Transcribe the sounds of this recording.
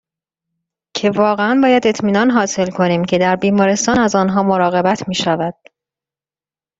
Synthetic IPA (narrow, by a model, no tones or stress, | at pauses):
cʰe̞vɒːɣeænbɒːjæd̪e̞t̪ʰmiːnɒːnɦɒːse̞lkʰo̞niːmcʰe̞d̪æɾbiːmɒːɾe̞st̪ɒːnæzɒːnɦɒːmo̞ɾɒːɣe̞bæt̪ʰmiːʃævæd̪̥